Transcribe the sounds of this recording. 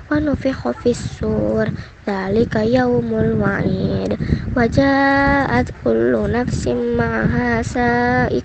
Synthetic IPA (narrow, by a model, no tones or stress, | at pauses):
wanʊfɪħʊfisːuːɾˤ | ðaːlɪkajawmalwaʕiːd̪wad͡ʒaːʔat̪kʊlːʊnafsɪmaʕaɦaːsaʔɪ